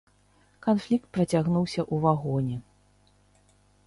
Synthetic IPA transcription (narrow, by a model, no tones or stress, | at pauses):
kanflʲik̚t̪̚pɾɐt͡sʲaɣnuwsʲɐʔuvaɣɔnʲɛ